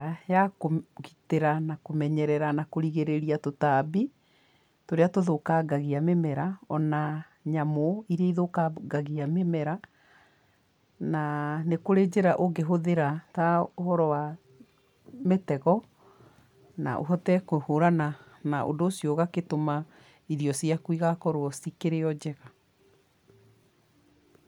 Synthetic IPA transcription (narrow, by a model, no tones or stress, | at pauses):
ajakoɣiteɾanakomɛɲɛɾɛɾanakoɾiɣeɾeɾiatotaːbi | toɾeatoðokaɡaɣiamemɛɾaɔna | ɲamoiɾaiðokaɡaɣiamemɛɾa | nanekoɾed͡ʑeɾaʔoɡeɦoðeɾataohɔɾɔwa | metɛɣɔ | na̰ʔo̰ɦɔtɛkohoɾana | naʔo̰ndoːsjoɣaketoma | iðiɔsiakwiɣakɔɾoɔsikeɾeɔd͡ʑɛɣa